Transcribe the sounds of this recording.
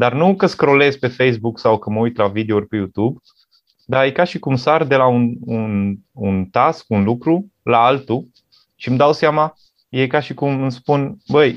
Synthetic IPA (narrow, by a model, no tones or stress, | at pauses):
d̪arnukəskɾo̞le̞zpe̞fe̞js̬buksawkəməujt̪lavid̪e̞urʲpe̞jut̪ub | d̪ajkaʃikumsard̪e̞launununt̪askunlukɾu | laalt̪u | ʃimd̪awseama | je̞jkaʃikumɨnspunbəj